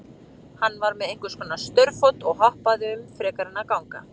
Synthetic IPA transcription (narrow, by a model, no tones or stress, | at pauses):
hanːvaɾmɛðejŋ̥kʏɾ̥skɔːnast̪œɾfot̪ɔɣɦɔhpaðɪʏmfɾɛːkaɾɪnːakawŋka̰